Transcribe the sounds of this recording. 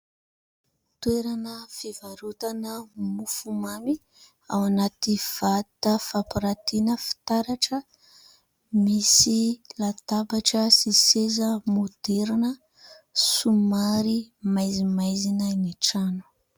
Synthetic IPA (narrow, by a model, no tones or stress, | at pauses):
t̪weɾanəfivaɾut̪anəmufumami | awanat̪iv̥at̪əfapiɾat̪inəfi̥t̪aɾaʈ͡ʂə | misilat̪abaʈ͡ʂəsisezəmud̪̥eɾinə | sumaɾimajzimajzinaniʈ͡ʂanu̥